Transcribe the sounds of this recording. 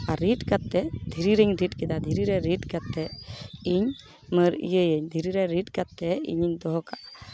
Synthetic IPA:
aɾiʈkat̪ːɛd̪ʱiɾiɾəɲɾiʈ̚kɛd̪ad̪ʱiɾiɾɛɾiʈkat̪ːɛiɲ | məɾḭjəjəɲd̪ʱiɾiɾɛɾiʈkat̪ːɛḭɲiɲd̪ɔɦɔkaʔ

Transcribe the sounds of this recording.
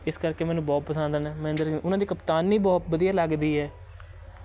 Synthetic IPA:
ɪskəɾkeːmɛːnũːbɔːt̪̚pəsə̃nd̪nɛ̃ːmɛ̃ːnd̪əɾʔʊnãːd̪iːkəpt̪aːnːiːbɔːt̪̚bəd̪ijaːləɡd̪iːɦɛː

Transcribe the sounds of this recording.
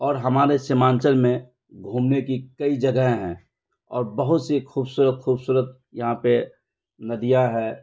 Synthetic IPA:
ɔːɾɦɐmaːɾesɪmãːɲt͡ʃəlmẽ | ɡʱũːmnekikəid͡ʒɐɡəɦẽɦɛ̰̃ː | ɔ̰ːɾbəɦʊt̪sexuːbsuːɾət̪xuːbsuːɾət̪̚ | jɐɦãpe | nɐd̪ijaɦɛː

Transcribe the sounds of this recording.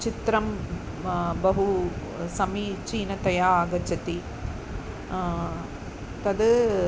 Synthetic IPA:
t͡ʃit̪ɾɐm | bɐɦu | sɐmit͡ʃiːnɐt̪ɐjaaːɡɐt͡ʃɐt̪i | t̪ɐd̪

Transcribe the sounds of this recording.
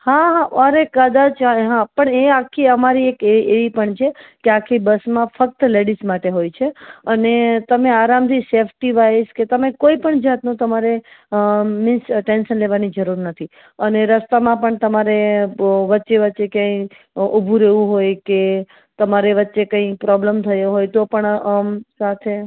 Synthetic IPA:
hãɦaəɾekəd̪at͡ʃaɦãpəɳeakʰːiəmaɾiekeeʋipəɳt͡ʃʰekeakʰːibəsmãfək̚t̪leɽismaʈeɦojt͡ʃʰeənet̪əmeaɾamt̪ʰisefʰʈiʋajsket̪əmẽkoipəɳd͡ʒat̪nũt̪əmaɾe | mɪsʈenʃənleʋanid͡ʒəɾuɾnət̪ʰi | əneɾəst̪amãpəɳt̪əmaɾeʋətːʃeʋətːʃekjãi | ubʱuɾeʋũɦojke | t̪əmaɾeʋətːʃekə̃ĩpɾɔbləmt̪ʰəjoɦojt̪opəɳəsat̪ʰe

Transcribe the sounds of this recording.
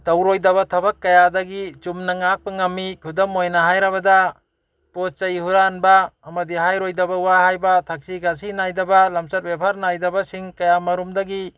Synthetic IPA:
dawɾojdabatʰɐbakːɐjadaɡit͡ʃumnaŋak̚paŋɐmːikʰudɔmːojnaɦajɾabada | pot͡ʃajihuɾanbaːmɐdiɦajɾojdabawaɦajbatʰak̚siɡas̬inajdabalamsat̚bepʰaɾnajdɐbasiŋkɐjamɐɾumdaɡi

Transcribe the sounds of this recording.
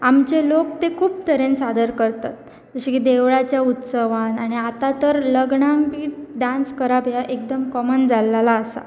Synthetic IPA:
amt͡ɕelok̚t̪ekʰuːp̚t̪əɾensad̪əɾkəɾt̪at̪̚ | d͡zəɕikid̪eʋɭat͡ɕjaut̪səʋanaɽ̃iat̪at̪əɾləɡɳaŋbiːɖãnskəɾabʱjaʔek̚d̪əmkɔmənd͡zalːalaːsa̰

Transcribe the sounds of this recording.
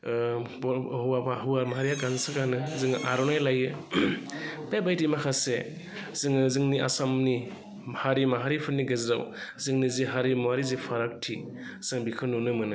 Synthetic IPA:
bɔhuwabaɦɯaɾmaɦaɾijaɡansaɡanɯzɯŋʔaɾɔnajlajɯ | bebajdimakʰase | zɯŋɯzɯŋniʔa̰samni | haɾimaɦaɾipʰɯɾniɡezɾa̰wzɯŋniziɦaɾimuaɾizipʰaɾak̚tʰi | z̥ɯŋbikʰɯnunɯmɯnɯ

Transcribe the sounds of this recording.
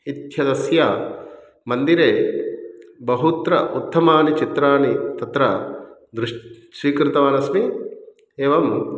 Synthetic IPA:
it̪ʰjɐd̪ɐsjɐ | mɐnd̪iɾeː | bɐɦut̪ɾɐʔut̪ʰːɐmaːnit͡ʃit̪ɾaːnit̪ɐt̪ɾɐd̪ɾuʂsʋiːkɾɪt̪ɐʋaːnɐsmi | eːʋɐm

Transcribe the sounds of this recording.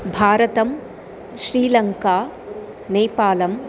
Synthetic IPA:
bʱaːɾɐt̪ɐm | ʃɾiːlɐŋkaː | nejpaːlɐm

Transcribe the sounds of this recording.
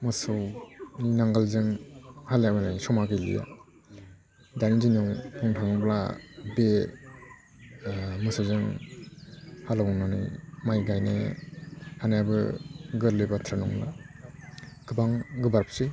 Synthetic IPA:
mɯsɯwninaŋɡalzɯŋhaljabɯnɯjsɔmaɡɯjlḭja̰ | danizinɯŋpʰɔŋtʰaŋɯbla̰be | mɯsɯwzɯŋ | halawnanɯjmajɡajnḛ | hanajabɯ̰ɡɯɾlɯbatʰɾanɔŋla̰ | ɡ̥ɯbaŋɡɯbaɾpʰsɯ

